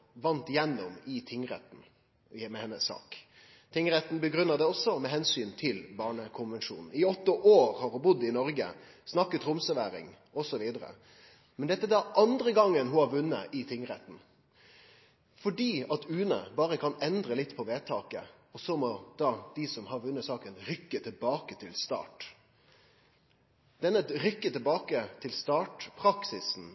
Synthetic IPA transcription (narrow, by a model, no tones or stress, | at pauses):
ʋɑnt̪jɛnːɔmɪt̪ʰɪŋɾɛ̰t̪n̩ | mɛhɛnːəsːɑ̰ːk | t̪ʰɪŋɾɛt̪n̩bəɡɾʉnːɑd̪ɛɔsɔmɛɦɛnsyːnt̪ʰɪlbɑːɳəkʰʊnʋɛnʃṵːnn̩ɪɔt̪ːəʔoːɾhɑɾhʊbʊd̪ːɪnɔɾɡə̰ | snɑkːət̪ʰɾʊmsəʋæːɾɪ̰ŋ | ɔsɔʋiːd̪əɾə̰ | mɛnd̪ɛt̪ːəd̪æʔɑnd̪ɾəɡɑŋːənɦʊhɑɾʋʉnːə̰ʔɪt̪ʰɪŋɾɛ̰t̪n̩ | fɔɖiːɑt̪ʉːnə̰bɑːɾəkʰɑnɛnd̪ɾəlɪt̪ːpʰɔʋeːt̪ʰɑːkə̰ | ɔsɔmɔd̪̥ɑːd̪̥ɪsɔmhɑɾʋʉnːəsɑːkənɾʏkːət̪ʰɪlbɑːkət̪ʰɪlst̪ɑ̰ːʈ | d̪ɛnːət̪ɾʏkːət̪ɪlbɑːkət̪ʰɪlst̪ɑːʈpʰɾɑksɪsn̩